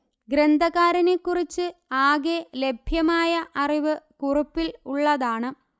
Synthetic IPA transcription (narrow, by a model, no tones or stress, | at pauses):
ɡɾend̪ʱɐɣaːɾɐnekːurit͡ɕːɨaːɣele̞bʱjɐmaːjɐʔɐriʋɨkurupːiluɭːɐðaːɳɨ